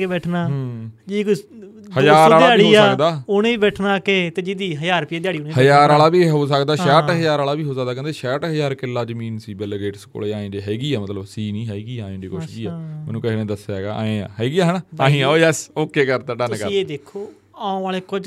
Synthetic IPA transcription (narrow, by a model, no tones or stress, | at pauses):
kebɛːʈʰnaːɦd͡ʒiːko | həd͡ʒaːɾaːɪaːɽiːaːəkd̪aːʊneːiːbɛːʈʰnaːkeːt̪eːd͡ʒid̪iːɦəjaːɾpieːd̪ɪjaːɽiːʊneːhəjaːɾaːlaːbiːɦoːs̬əkd̪aːʃɛːʈɦəjaːɾaːlaːbiːɦoːsək̚d̪aːkɛ̃nd̪eːʃɛːʈɦəjaːɾkɪlːaːd͡ʒəmĩːnsiːbɛlɡeːʈsko̰ːleːãːẽːd͡ʒeːɦɛːɡiːaːmət̪ləbsiːnĩːɦɛːɡiːãːẽːd͡ʒiːkʊʃd͡ʒiːaːmɛ̰ːnũːkəɦnẽːd̪əsaːɡa̰ːa̰ːẽːã̰ːɦɛːɡiːaːɦənaːãːĩːãːojɛsoːkːeːkəɾt̪ãːɖənkəeːd̪eːkʰoː | ãːõʋaːleːkʊd͡ʒ